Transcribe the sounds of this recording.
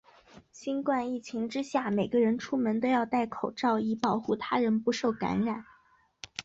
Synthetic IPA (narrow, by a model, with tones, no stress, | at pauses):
ɕi˥nkwa˥˧ni˥˩t͡ɕʰi˧˥ŋʈ͡ʂɻ̩˥ɕja˥˩me˨˩ɪɡə˧˦ɻə˧˥nʈ͡ʂʰu˥mə˧˥nt̪o˥ʊjɑ˥˧ʊt̪a˥˩ɪkʰo˨˩ʊʈ͡ʂɑ˥˧ʊi˥˩pɑ˨˩ʊxu˥˩t̪ʰa˥ɻə˧˥npu˧˥ʂo˥˩ʊka̰˧˥nɻa˨˩˦n